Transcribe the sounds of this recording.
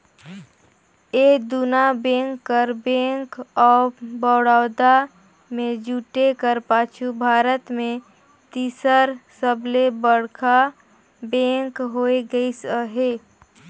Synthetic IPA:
eːd̪unabẽːŋkːəɾbẽːŋkɔːbɔːɽaːd̪a | mẽd͡ʒuːʈekəɾpaːt͡ʃʰubʱaːɾət̪mẽ | t̪iːsəɾsəblebəɽkʰa | bẽːŋkɦoːeɡəisəɦeː

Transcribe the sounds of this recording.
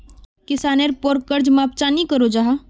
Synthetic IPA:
kɪsaːneɾpoɾkəɾd͡ʒmaːp̚t͡ʃanikəɾod͡ʒaɦa

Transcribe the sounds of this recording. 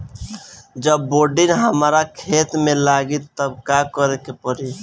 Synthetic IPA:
d͡ʒəbːoɖinɦəmɾakʰet̪melaɡit̪t̪əbkakəɾekepəɾi

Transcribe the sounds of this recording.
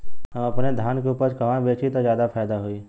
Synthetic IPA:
ɛ̃ɐpned̪ʱjaːnkʰeʊpəɾd͡ʒkɐʋãʋeːt͡ʃʰit̪ozjaːd̪apʰaːd̪aɦʊiː

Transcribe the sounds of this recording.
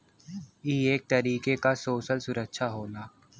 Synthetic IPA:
iːeːk̚t̪ɐɾiːkekasoːʃəlsʊɾəkʃʰaɦoːnaː

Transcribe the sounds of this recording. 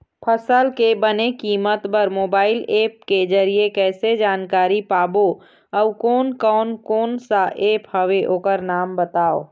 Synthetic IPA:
pʰəsəlkebənekiːmət̪bəɾmoːbaːɪleːp̚ked͡ʒəɾiekɛːsed͡ʒaːnkaːɾipaːbo | ɔʋkɔːnkɔːnkoːnsaʔeːphɐʋeʔoːkəɾnaːmbət̪aːo̰ː

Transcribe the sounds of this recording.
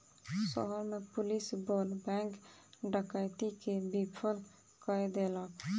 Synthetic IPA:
sɔ̰ɦəɾmepulisbolbɛ̃ŋkɖəkət̪ikebipʰəl | kəjd̪elək

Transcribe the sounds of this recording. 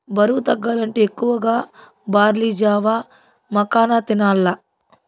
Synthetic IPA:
bɐɾut̪ɐɡːaːlɐɳʈeekːuʋɐɡaː | baːɾliːd͡ʒaːʋaː | mɐkaːnat̪inaːlːɐ

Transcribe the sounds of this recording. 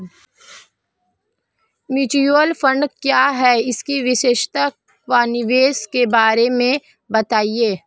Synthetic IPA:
miːʈijolfə̃ɳɖkjaːɦɛɪskiʋɪʃeːʃt̪a | ʋaːnɪʋeːskebaːɾemẽ | bɐt̪aːieː

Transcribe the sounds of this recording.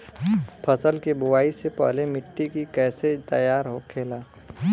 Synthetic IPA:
pʰəsəlkebʊwaːisepɛ̰ɦlemɪʈːikikɛːset̪ɐjaːɾɦokʰeːlaː

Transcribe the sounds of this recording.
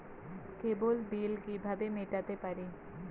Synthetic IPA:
kebolbilkibʱabemeʈat̪epaɾe

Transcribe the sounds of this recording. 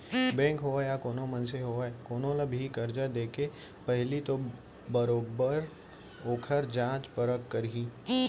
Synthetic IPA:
bɛ̃ːŋkɦoːajakoːnõmɐnseɦoːaekoːnõlabʱikəɾd͡ʒad̪eːke | pɛɦlit̪o | bəɾoːbəɾ | oːkʰəɾd͡ʒãːt͡ʃpəɾəkːəɾiː

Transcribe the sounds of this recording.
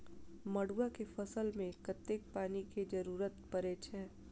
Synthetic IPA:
mɐɽuakefɐsəlmẽkət̪ːek̚paːniked͡ʒɐɾuːɾət̪pəɾet͡ʃʰɛː

